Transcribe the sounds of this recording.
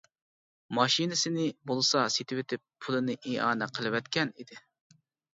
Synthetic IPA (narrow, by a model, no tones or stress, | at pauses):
mɑʃinɪsɪnɪbolˠɨsɑset̪ʰɪwɪt̪ʰɪpːʰulˠɨnɨʔeɑ̰ːnɛqʰəlˠɨwɛt̪̚kʲʰɛnid̪ɪ